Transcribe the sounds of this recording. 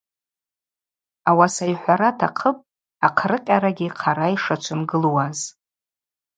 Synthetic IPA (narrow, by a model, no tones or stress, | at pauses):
awasajħʷaɾatʰaqʰəpʼ | aqʰrɨqʲʼaɾaɡʲiqʰaɾajʂat͡ʃʷʰɨmɡɨlwaz